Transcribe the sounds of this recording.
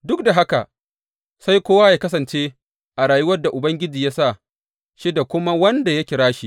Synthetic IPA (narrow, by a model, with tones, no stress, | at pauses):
dʊ˦k̚da˨ɦa˦ka˨ | sa˦jkʷoː˦waː˦jaː˨kɐ˦sɐ˨nt͡ʃeː˦ | ʔa˨ɽaː˨ju˦wɐ˦rda˨ʔʊ˨bɐ˦ŋɡʲɪ˦d͡ʒiː˨ja˦sa˦˨ | ʃi˦da˨kʷʊ˦ma˦wɐ˦nda˨jɐ˦kʲɪ˨ɾaː˦ʃi˦˨